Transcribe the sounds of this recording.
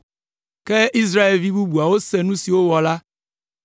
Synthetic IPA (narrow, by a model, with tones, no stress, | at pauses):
ke˦i˦s̬ɾa˦e˨lvi˦bu˦bu˨a˨wo˦sɛ˦nũ˦si˨wo˦wɔ˨la˦